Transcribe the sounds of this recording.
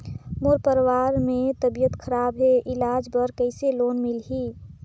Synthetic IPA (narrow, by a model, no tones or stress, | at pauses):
moːɾpəɾwaːɾmẽt̪əbijət̪kʰəɾaːbɦeʔɪlaːd͡ʒbəɾkəɪseloːnmɪlɦiː